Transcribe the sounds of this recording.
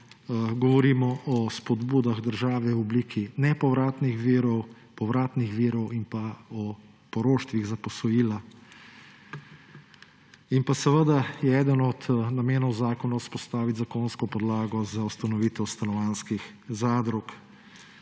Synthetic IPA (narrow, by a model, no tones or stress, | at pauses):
ɡɔʋɔɾiːmɔʔɔspɔd̪buːd̪aɣd̪əɾʒaːʋɛwɔbliːkʰinɛpɔʋɾaːt̪nixʋiːɾɔw | pɔʋɾaːt̪nixʋiːɾɔwinpaɔ | pɔɾoːʃt̪ʋiɣzapɔsɔjiːla | inpasɛʋəd̪ajɛɛːd̪ənɔd̪nameːnɔwzaːkɔnawspɔst̪aːʋit̪ʲzakoːnskɔpɔd̪laːɡɔzaust̪anɔʋiːt̪ɛwst̪anɔʋanskix | zaːd̪ɾɔk